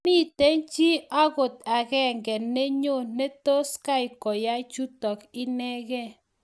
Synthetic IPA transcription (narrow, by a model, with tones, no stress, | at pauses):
mi˦˨tɛ˦nt͡ʃi˦a˦ɣo˨t̪̚a˨ɡɛ˦ŋɡɛ˨nːe˦ɲo˦˨ne˦to˦ska˦i˨kɔ˨ja˦i˦t͡ʃu˦tɔ˨ki˦nɛ˦ɣɛ˦˨